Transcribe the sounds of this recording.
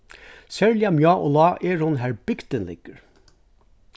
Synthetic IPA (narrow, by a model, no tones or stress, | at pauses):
sɛɹljamjɑːʔɔ̰lɑːʔɛɹhʊnɦæɹbɪɡt̪ənlɪ̰ɡ̥əɹ